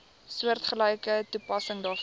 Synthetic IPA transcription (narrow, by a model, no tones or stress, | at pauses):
suərtχələjkətupɐsəŋdɑːf